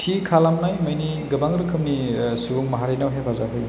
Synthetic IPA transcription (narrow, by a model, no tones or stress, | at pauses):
tʰikʰalamnajmɯjni | ɡɯbaŋɾɯkʰɯmnisubuŋmaɦaɾinawɦebʰʱazaɦɯj